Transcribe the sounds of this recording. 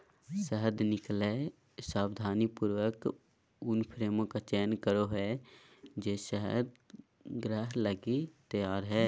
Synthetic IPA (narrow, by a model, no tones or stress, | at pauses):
səɦəd̪nɪkle | saːbd̪ʱaːnipuːɾwək | ʊnpʰɾeːmõkat͡ʃɛːnkəɾoɦɛ | d͡ʒeːsəɦəd̪̚ | ɡɾəɦləɡit̪əjaːɾɦɛː